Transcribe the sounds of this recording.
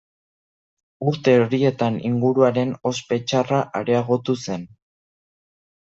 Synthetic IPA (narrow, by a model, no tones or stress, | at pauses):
uɾt̪e̞oɾie̞t̪anḭŋɡuɾuaɾe̞no̞spe̞t͡ʃaraʔaɾe̞aɣo̞t̪use̞n